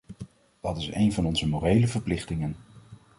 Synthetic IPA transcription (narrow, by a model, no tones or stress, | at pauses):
d̥ɑtɪsejnvɑnɔnzəmorejləvəɹplɪχtɪŋən